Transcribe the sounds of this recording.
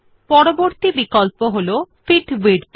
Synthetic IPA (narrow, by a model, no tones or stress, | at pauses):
pɔɾoboɾt̪ibikɔlpoɦolofʰiʈwiɖ